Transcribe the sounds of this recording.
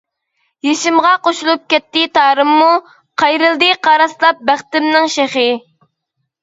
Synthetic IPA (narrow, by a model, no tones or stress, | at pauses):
jeʃɪmʁɑqoʃulˠup̚kʲɛt̪ːɪt̪ʰɑːɾɨmːu | qʰɑjɾɨlˠd̪ɨqʰɑɾɑslˠɑp̚bæχt̪ɪmnɪŋʃeχɪ